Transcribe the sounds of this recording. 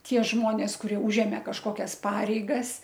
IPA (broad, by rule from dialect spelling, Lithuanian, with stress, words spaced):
ˈtʲiɛ ˈʒmoːnʲeːs kʊˈrʲiɛ ˈuːʒʲɛmʲeː kɐʃˈkoːkʲɛs ˈpɑːrʲɛɪɡɐs